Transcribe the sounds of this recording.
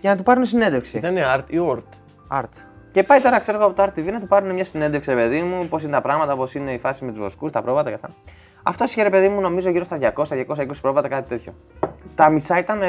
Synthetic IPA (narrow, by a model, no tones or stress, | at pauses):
ʝɐnɐt̪upɐɾunesinend̪efksit̪ɐneɐɾt̪ioɾt̪ | ɐɾt̪ | ce̞pɐjt̪o̞ɾɐkseɾeɣoɐpot̪oɐɾt̪t̪ːivinɐt̪upɐɾune̞mɲɐsinend̪eksiɾepe̞ðimupo̞sinet̪ɐpɾɐɣmɐt̪ɐpo̞sine̞ifɐsimet̪uzvloskust̪ɐpɾo̞vɐt̪ɐkɐst̪ɐ̰ | ɐ̰ft̪o̞siçeɾepe̞ðimuno̞mizo̞ʝiɾost̪ɐðʝɐko̞sɐst̪ɐðʝɐko̞sɐiko̞si̥pɾo̞vɐt̪ɐkɐt̪it̪e̞t̪ço̞̰ | t̪ɐmisɐit̪ɐn